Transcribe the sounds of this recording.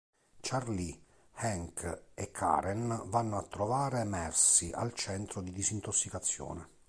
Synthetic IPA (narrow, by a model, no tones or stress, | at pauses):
t͡ʃarli | hɛŋkʰɛkʰːa̰ːɾɛnvanːoat̪ːɾovaːɾemɛrsiʔa̰lt͡ʃɛnt̪ɾod̪id̪izint̪osːikat̪sːjɔ̰ːnɛ